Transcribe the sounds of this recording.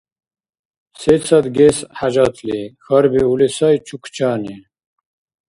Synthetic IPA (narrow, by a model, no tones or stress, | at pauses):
set͡sɐd̪ɡesħad͡ʑɐt̪lixɐɾbiulisɐjt͡ɕʰukʰt͡ɕaːni